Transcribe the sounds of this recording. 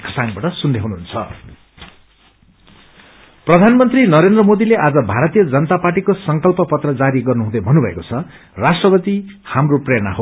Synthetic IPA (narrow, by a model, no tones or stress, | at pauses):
kʰʌsaŋbaʈʌsund̪ʱeɦunuɦunt͡sʰʌ̰ | prʌd̪ʱanmʌnt̪rinʌɾend̪rʌmod̪ileʔad͡zʌbʱaɾʌt̪ijʌd͡zʌnʌt̪apaʈikosʌŋkʌlpʌpʌt̪rʌd͡zaɾiɡʌrnuɦũd̪ʌbʱʌnubʱʌḛkot͡sʰʌ | rasʈrʌpʌt̪ihamroprena̰ɦo